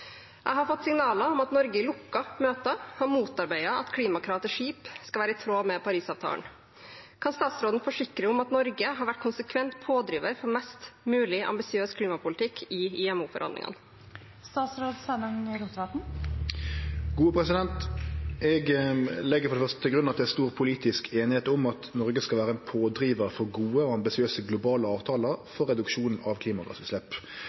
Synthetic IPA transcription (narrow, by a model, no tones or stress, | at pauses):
ʔæɪɦɑɾfɔt̪ːsɪŋnɑːləɔmɑt̪nɔɾɡəɪlʊkːɑmøːt̪ɑhɑɾmuːt̪ɑɾbæɪɑʔɑ̰t̪kʰliːmɑkʰɾɑːʋt̪əʂiːpskɑʋæːɾəɪt̪ʰɾoːmɛpʰɑɾiːsɑːʋt̪ʰɑ̰ːlə̰n | kʰɑnst̪ɑːt̪sɾoːd̪n̩fɔʂɪkɾəʊmɑt̪nɔɾɡəɦɑɾʋæʈ̚ːkʰʊnsəkʰʋɛnt̪pʰoːd̪ɾiːʋəɾfɔɾmɛst̪mʉːlɪʔɑ̰mbɪsɪøːskʰliːmɑpʊlt̪ʰɪkːʰɪɪɛmuːfɔ̰ɾhɑ̰nd̪ɪ̰ŋə̰n | st̪ɑːt̪sɾoːd̪sɛnɑŋɾʊmsɑt̪n̩ | ɡuːəpʰʁɛsɪd̪ɛnt̪ɛɡlɛɡːəfɔɾdɛfœʁst̪ət̪ʰɪlɡɾʉnːəɑt̪d̪æst̪uːʁpʰʊliːt̪ɪskʰeːnɪheːt̪ʊmɑt̪nɔɾɡəskɑlʋæːɾəɛnpʰoːd̪ɾiːʋəɾfɔʁɡuːəoɑmbɪsɪøːsəɡlʊbɑːləɑːʋt̪ʰɑːləɾfɔʁːɛd̪ʉkʃuːnn̩ɑʋkʰliːmɑɡɑ̰sʉslɛpː